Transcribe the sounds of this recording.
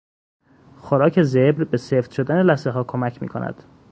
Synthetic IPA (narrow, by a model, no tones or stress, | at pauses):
xoɾɒːcʰe̞zebɾbe̞seft̪ʃod̪ænelæseɦɒːkʰomæcʰmḭːkʰo̞̰nʔæ̰d̪̥